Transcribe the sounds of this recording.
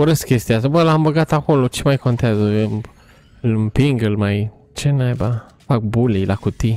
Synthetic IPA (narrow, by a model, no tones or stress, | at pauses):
oɾəskʲest̪iast̪abəlambəɡat̪akolot͡ʃemajkont̪eazə | lmpiŋɡɨlmaj | t͡ʃenajba | fak̚bulejlakut̪i